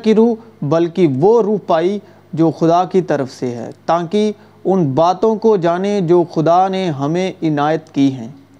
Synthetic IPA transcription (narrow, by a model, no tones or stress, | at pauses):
kiɾuːbɐlkiʋoɾuːɦpaːi | d͡ʒoːxʊd̪aːkit̪ɐɾəfseɦɛ̰ːt̪ãːki | ʊnbaːt̪õkod͡ʒaːned͡ʒoːxʊd̪aneɦɐmẽɪnaːjət̪kiɦɛ̃ː